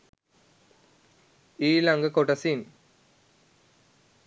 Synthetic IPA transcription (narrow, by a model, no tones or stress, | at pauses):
iːlɐŋɡɐkoʈɐsin